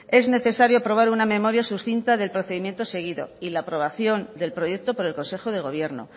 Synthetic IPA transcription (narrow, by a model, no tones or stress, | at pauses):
e̞zne̞θe̞saɾjoapɾo̞βaɾuname̞mo̞ɾjasusθint̪aðe̞lpɾo̞θeðimje̞nt̪o̞se̞ɣ̞iðo̞̰ilaːpɾo̞βaθjo̞nd̪e̞lpɾo̞je̞k̚t̪o̞po̞ɾe̞lko̞nse̞xo̞ð̞e̞ɣ̞o̞β̞je̞ɾno̞̰